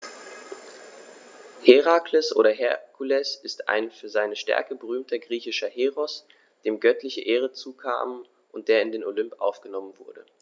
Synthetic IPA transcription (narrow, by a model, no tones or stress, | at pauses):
heʁakʰləsʔo̰ːɾɐɦɛɐkʰulɛsɪsta̰ɪnfyːɐzaɪnəʃtɛ̰ɐkəbəʁyːmtʰɐɡʁiːçɪʃɐheːʁɔs | d̥eːmɡœtlɪçəʔeːʁ̞ət͡suːkʰa̰ːmə | ʔʊnt̚d̥eːɐɪndeːnolʏmpʔa̰ʊfɡ̥ənɔmənvʊɐdə